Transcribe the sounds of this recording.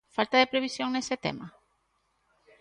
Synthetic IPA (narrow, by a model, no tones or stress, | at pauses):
falt̪aðepɾeβ̞isjoŋneset̪ḛma